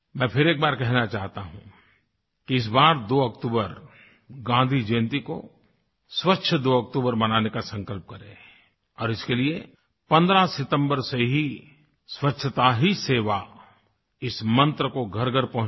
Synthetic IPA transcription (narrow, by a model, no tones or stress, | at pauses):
mɛ̃ːpʰɪɾeːk̚baːɾkɛɦnat͡ʃaːɦt̪aɦṵ̃ | kiɪs̬baːɾd̪oːɐkt̪uːbəɾ | ɡãːnd̪ʱid͡ʒẽːnt̪iko̰ | swətːʃʰəd̪oːɐk̚t̪uːbəɾmɐnaːnekasɐ̃ŋkəlp̚kɐɾḛ̃ː | ɔːɾɪskelie | pɐ̃nd̪ɾasɪt̪ə̃mbəɾseɦi | swɐtːʃʰət̪aɦiseːʋa | ɪsmɐ̃nt̪ɾəkoɡʱɐɾɡʱəɾpɐɦʊ̃